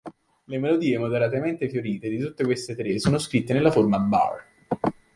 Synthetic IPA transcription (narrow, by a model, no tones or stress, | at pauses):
lemelod̪iːemod̪eɾat̪̬ement̪efjoɾiːt̪ed̪it̪ut̪ːekwest̪et̪ɾesoːnoskɾit̪ːenelːaformaba̰r